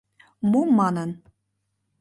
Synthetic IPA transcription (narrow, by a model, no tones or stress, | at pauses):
mumɑnən